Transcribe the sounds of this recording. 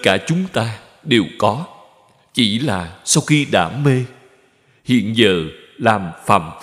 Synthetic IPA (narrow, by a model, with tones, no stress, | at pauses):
kaː˧˩t͡ɕʊ˨˦ŋ͡mt̪aː˧ | ɗe˨˩wkɔ˨˦ | t͡ɕi˧˩laː˨˩sa˧wxi˧ɗa̰ː˧˩me˧ | hḭ˧˨ənzəː˨˩ | laː˨˩mfaː˧˩m